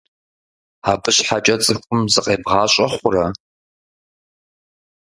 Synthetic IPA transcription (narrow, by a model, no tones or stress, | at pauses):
aːbɨɕħat͡ʃʼɐt͡sʼɨxʷʼʊmzɨqʼeːbʁɑːɕʼɐχʷʊrɐ